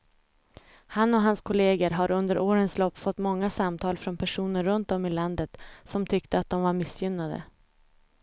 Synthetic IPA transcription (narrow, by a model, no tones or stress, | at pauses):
hanːɔɦanskʰʊleːɡəɾɦaɾɵnd̪əɾʔoːɾənslɔpːfɔt̪ːmɔŋːasamt̪ʰɑːlfɾɔnpʰæʂuːnəɾːɵnt̪̚ɔmːɪland̪ət̪sɔmt̪ʰʏkt̪əat̪̚d̪ɔmvaɾmɪsjʏnːad̪ə̰